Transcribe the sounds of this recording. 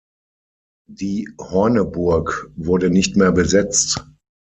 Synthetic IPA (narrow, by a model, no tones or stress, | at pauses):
d̥iːhɔɐnəbʊɐkvʊɐdənɪçtmeːɐbəzɛt͡st